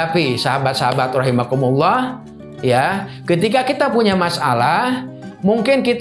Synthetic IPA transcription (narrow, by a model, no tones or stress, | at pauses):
apisaɦabat̪̚saɦabat̪rɑɦimakumulːɑh | ja | kət̪ikakit̪apuɲamasa̰la | muŋkɪnkit̪